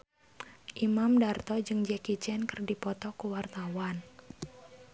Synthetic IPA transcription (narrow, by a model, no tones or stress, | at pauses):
ʔimamdart̪ɔd͡ʒɨŋd͡ʒɛkit͡ʃɛnkərdipɔt̪ɔkuwart̪awan